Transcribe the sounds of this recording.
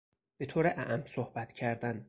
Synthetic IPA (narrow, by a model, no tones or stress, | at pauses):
b̥e̞t̪ʰoːɾeʔæʔæmsohbæt̪cʰæɾd̪æn